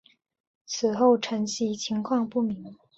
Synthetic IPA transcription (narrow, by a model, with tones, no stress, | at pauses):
t͡sʰɹ̩˨˩xo˥˩ʊʈ͡ʂʰə˧˥ŋɕi˧˥t͡ɕʰi˧˥ŋkʰwɑ˥˧ŋpu˥˩mi˧˥ŋ